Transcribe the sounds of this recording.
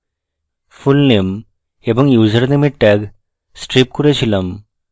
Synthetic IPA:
fulnem | ebə̃ŋɡjuːd͡zəɾnemiʈʈɛɡ | sʈɾip̚kuɾeɕiləm

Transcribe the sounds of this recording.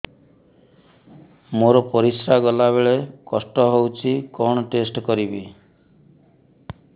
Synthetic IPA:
moɾɔpɔɾisɾaɡɔlaβeɭekɔsʈɔɦowt͡ʃʰikɔɽ̃ɔʈesʈkɔɾibi

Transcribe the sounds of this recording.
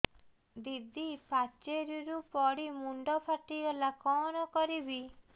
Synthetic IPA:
d̪id̪ipat͡ʃeɾiɾupɔɽimuɳɖɔpʰaʈiɡɔlakɔnɔkɔɾibi

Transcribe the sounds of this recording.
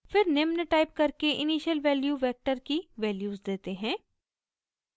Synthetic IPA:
fɪɾnɪmnəʈaːɪp̚kɐɾkeʔɪniːʃəlʋɛːljuʋɛːk̚ʈəɾkiʋɛːljuːzd̪eːt̪eɦɛ̃ː

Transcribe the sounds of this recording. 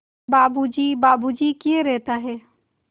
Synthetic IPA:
baːbud͡ʒibaːbud͡ʒikieɾɛɦt̪aɦɛː

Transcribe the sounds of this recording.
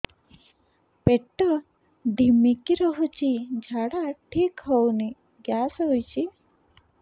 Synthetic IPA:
peʈːɔ | ɖimikiɾɔɦut͡ʃʰid͡ʒʱaɽaʈʰikɦɔwni | ɡjasɔɦujt͡ʃʰi

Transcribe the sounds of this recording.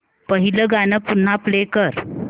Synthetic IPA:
pəɦiləɡanəpun̤ːaplekəɾ

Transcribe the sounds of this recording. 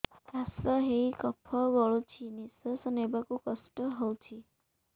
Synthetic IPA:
tasɔɦeikɔpʰɔbɔɭot͡ʃʰinisəsɔnebakukɔsʈɔɦɔwt͡ʃʰi

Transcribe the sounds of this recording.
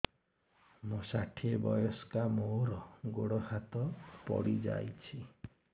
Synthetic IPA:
mosaʈʰiebɔjɔskamoɾɔɡoɽɔhat̪ɔpɔ̰ɽid͡ʒa̰jt͡ʃʰi

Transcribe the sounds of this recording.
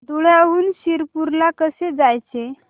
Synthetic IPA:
d̪uɭjauːnɕiɾpuɾlakəsed͡zajt͡se

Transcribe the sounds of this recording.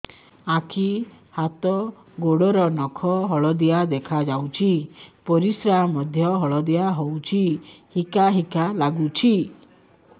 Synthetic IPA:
akʰi | hat̪ɔ | ɡoɽɔɾɔnɔkʰɔɦɔɭɔd̪ijad̪ekʰad͡ʒawt͡ʃʰipɔɾisɾamɔd̪ʱjɔɦɔɭɔd̪ijaɦowt͡ʃʰi | hikaɦikalaɡut͡ʃʰi

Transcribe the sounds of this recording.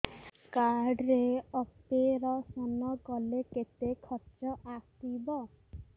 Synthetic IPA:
kaɖɾeɔpeɾɔsɔnɔɡɔleket̪ekʰɔt͡ʃɔʔakt̪ibɔ

